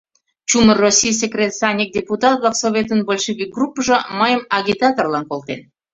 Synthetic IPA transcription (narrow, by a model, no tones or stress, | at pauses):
t͡ɕumərosʲijs̬ʲekrʲet̪sɑnʲik̚dʲeput̪ɑt̪lˠəqsovʲet̪ənbolʲʃeɡʲiɡrupːəʒə̆məjəmɑɣʲit̪ɑt̪orlɑnkolˠt̪en